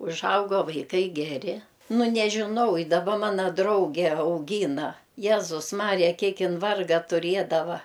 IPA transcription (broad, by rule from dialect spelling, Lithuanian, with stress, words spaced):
ʊʒˈɐʊɡoː ʋɐɪˈkɐɪ ɡʲɛˈrʲɪ ˈnʊ nʲɛʒʲɪˈnɐʊ ɪ dɐˈbɐ ˈmɑːnɐ ˈdrɐʊɡʲɛ ɐʊˈɡʲiːnɐ ˈjæːzʊs ˈmɑːrʲɪjɛ ˈkʲiɛk ˈɪn ˈʋɐrɡɐ tʊˈrʲiɛdɐʋɐ